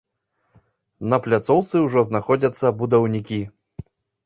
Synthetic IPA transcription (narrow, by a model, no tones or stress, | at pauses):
nɐplʲat̪sɔwt̪sɨwʐɔznaxɔd͡zʲɐt̪sːɐbud̪ɐwnʲikʲi